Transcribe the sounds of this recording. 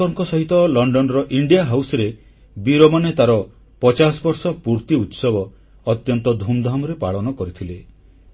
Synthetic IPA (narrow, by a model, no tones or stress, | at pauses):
ɔŋkɔsɔɦit̪ɔlɔɳɖɔnɔɾɔʔiɳɖijaɦawsɔɾe | biɾɔmanet̪aɾɔ | pɔt͡ʃasɔbɔɾsɔpuɾt̪iut̪sɔbɔː | t̪jɔnt̪ɔd̪ʱumd̪ʱamɔɾepaɭɔnɔkɔɾit̪ʰile